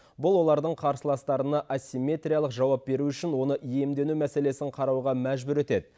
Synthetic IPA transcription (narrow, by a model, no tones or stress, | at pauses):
bʊlˠwo̞lˠɑɾd̪əɴqʰɑɾsəlˠɑst̪ɑɾənɑʔasʲimʲe̞t̪rʲijalˠəqʒɑwɑp̚be̞ɾuʏʃɪnwo̞nəʔije̞md̪e̞numæse̞le̞sɪɴqʰɑɾɑwʁɑmæʒbʊɾe̞t̪e̞d̪ɪ